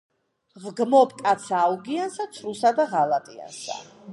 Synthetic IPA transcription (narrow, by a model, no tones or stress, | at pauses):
ʁɡmɔpʰʼkʼat̪sʰaːuɡiansat̪sʰɾusad̪aʁalˠat̪ʼia̰nsa̰